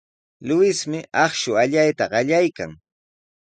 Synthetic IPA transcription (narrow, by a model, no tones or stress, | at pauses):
lʊwɪsmɪɑχʃʊaʎajt̪aɢɑʎajka̰ŋ